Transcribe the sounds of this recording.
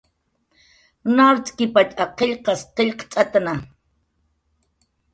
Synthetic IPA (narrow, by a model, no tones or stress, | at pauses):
naɾt͡sʼkipat͡ʃʼaqeʎqɑsqeʎqt͡sʼat̪ana